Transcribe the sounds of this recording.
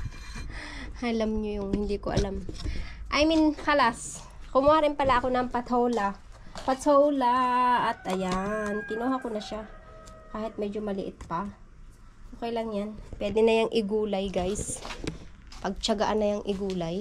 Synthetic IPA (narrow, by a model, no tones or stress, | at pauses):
ɐlamɲojʊŋhɪnd̪iːkoʔɐ̰lamʔɐjminkɐlas | kʊmaɾɪnpɐlaʔko̞nɐŋpɐt̪ʰowlɐpɐt̪owlaɐt̪ʔɐjank̪ɪnoːhakonɐʃa | kaːhɪt̪̚mɛd͡ʒomɐlɪʔɪt̪̚pɐ | ʔoːkɐjlɐŋjanpwɛːd̪ɛnɐjɐŋʔɪɡuːlɐjɡajs | pɐɡ̚t͡ʃɐɡaʔanːɐjɐŋʔɪɡuːlɐj